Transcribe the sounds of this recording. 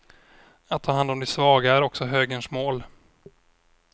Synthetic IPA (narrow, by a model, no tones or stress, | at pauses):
at̪ʰːɑːɦand̪ɔmd̪ɛsvɑːɡaæɾɔksɔɦøːɡəɳʂmoːl